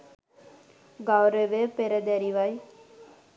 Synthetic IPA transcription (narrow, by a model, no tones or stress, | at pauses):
ɡawɾeʋepeɾəd̪ɛɾiʋaj